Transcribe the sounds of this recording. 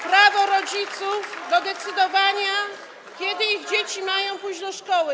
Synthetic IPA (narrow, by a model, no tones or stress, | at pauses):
pɾavɔɾɔd͡ʑit̪sufd̪ɔd̪ɛt̪sɘd̪ɔvaɲa | kʲɛd̪ɘiɣd͡ʑet͡ɕimajɔ̃w̃pujd͡ʑd̪ɔʂkɔwɘ